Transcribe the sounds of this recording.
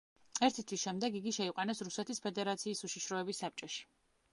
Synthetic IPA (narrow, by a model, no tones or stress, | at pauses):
ɛɾt̪ʰit̪ʰwisʃɛmd̪ɛɡiɡiʃɛiqʼanɛsɾusɛt̪ʰispʰɛd̪ɛɾat̪sʰiːsuʃiʃɾɔɛbisːap̚t͡ʃʼɔʃi̥